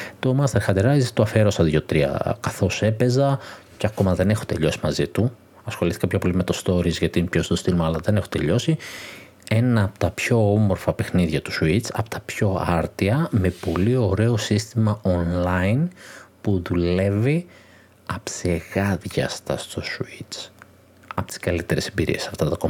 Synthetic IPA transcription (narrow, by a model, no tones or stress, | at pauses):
t̪o̞mɐst̪eɾxɐt̪eɾɐzt̪oɐfeɾo̞sɐðʝot̪ɾiɐ̰kɐθo̞se̞pe̞zɐcɐko̞mɐðe̞ne̞xot̪e̞ʎo̞si̥mɐzit̪u | ɐsxo̞liθi̥kɐpçɐpo̞limet̪o̞st̪o̞ɾizʝɐt̪inepçost̪ost̪ilmɐːlɐðe̞ne̞xot̪e̞ʎo̞si | e̞nɐːpo̥t̪ɐpço̞omo̞ɾfɐpe̞xniðʝɐt̪u̥suit͡sɐ̰po̥t̪ɐ̥pço̞ɐɾt̪iɐme̞po̞lio̞ɾe̞o̞sist̪imɐonlɐinpuðule̞vi | ɐpseɣɐðʝɐ̰st̪ɐst̪o̞suit͡s | ɐpot̪i̥skɐlit̪e̞ɾe̞sembiɾḭe̞sɐft̪ɐt̪ɐkom